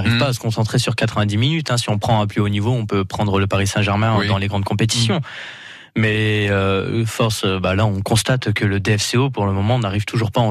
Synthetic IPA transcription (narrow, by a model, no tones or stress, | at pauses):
ʁivpaːsə̥kɔ̃sɑ̃t̪χesyʁkat̪χəvɛ̃d̪iminyt̪ɛ̃siɔ̃pχɑ̃ɛ̃plyonivoɔ̃pøpχɑ̃d̪ʁələpaʁisɛ̃ʒɛʁmɛ̃d̪ɑ̃leɡʁɑ̃d̪̚kɔ̃pet̪̬i̥sjɔ̃ | mɛøfɔʁsøbalaɔ̃kɔ̃st̪at̪kələd̪eɛfseopuʁləmɔmɑ̃naʁivt̪ʰuʒuʁpaɑ̃